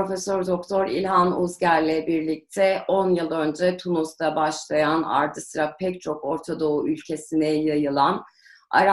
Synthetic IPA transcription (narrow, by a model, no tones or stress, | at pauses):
po̞fɛsøɾd̪o̞k̚t̪ʰo̞ɾḭlʲɦanuzɟæɾʲlʲɛbiɾlʲic̚t̪ʰɛʔo̞njɯlˠø̞nd͡ʒɛt̪ʰunuzd̪abaʃlˠajana̰ɾd̪ʰɯsɾak̚pʰɛc̚t͡ʃʰo̞ko̞ɾt̪ʰad̪o̞uʔylʲcʰe̞sinɛjajɯlˠan | a̰ɾa